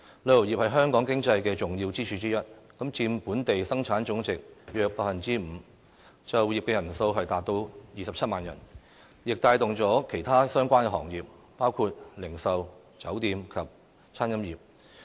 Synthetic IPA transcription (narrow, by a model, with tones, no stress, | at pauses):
lœː˧o˨˩jiː˨p̚hɐ˨jɦœː˥ŋkɔː˨˥ŋkɪ˥ŋt͡sɐ˧jkɛː˧t͡sʊ˨˩ŋji˧wt͡siː˥t͡ʃʰyː˧t͡siː˥jɐ˥t̚kɐ˨˥mt͡siː˧mpuː˨˥nt̪e˨jsɐ˥ŋt͡sʰaː˨˥nt͡sʊ˨˥ŋt͡sɪ˨k̚jœː˧k̚paː˧k̚fɐ˨nt͡siː˥m̩ː˨˧ | t͡sɐ˨wjiː˨pkɛː˧jɐ˨˩nso˧wɦɐ˨˩jt̪aː˨t̚t̪o˧wjiː˨sɐ˨p̚ʰɐ˥t̚maː˨njɐ̰˨˩n | jɪ˨k̚t̪aː˧jt̪ʊ˨ŋt͡sɔː˨˥kʰe˨˩jt̪ʰaː˥sœː˥ŋkʷaː˥nkɛ˧ɦɔ̰ː˨˩ŋjiː˨p̚ | paː˥wkʰuː˧t̚lɪ˨˩ŋsɐ˨w | t͡sɐ˨˥wt̪iː˧mkʰɐ˨p̚ | t͡sʰaː˥nkɐ˥mjiː˨p̚